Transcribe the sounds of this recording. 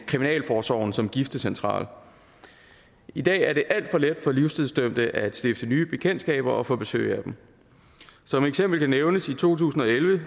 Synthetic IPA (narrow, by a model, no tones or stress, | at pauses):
kʰʁiminɛ̰ːlfɒːsɒ̰ʊ̰n̩sɒ̽mɡ̥ifd̥əsent͡sʰʁɑ̰̈ːl | id̥ɛ̰ːæɐɾe̝ʔæl̰d̥fɒ̽led̥fɒ̽liʊst͡sʰiðˠsd̥øm̰d̥əʔæd̥sd̥e̝fd̥ənyːb̥e̝kʰend̥sɡ̥ɛ̰ːb̥ɐɒ̽fɔ̽ːb̥e̝sø̰ːɪæd̥em̩ | sɒ̽meɡ̥sem̰b̥l̩kʰæneʊnəsit͡sʰo̝̰ːt͡sʰṵːsn̩ɒ̽elʋə